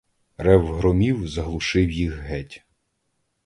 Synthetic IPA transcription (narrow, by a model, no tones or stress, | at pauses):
ɾɛwɦɾɔmʲiwzɐɦlˠʊʃɪwjixɦɛtʲ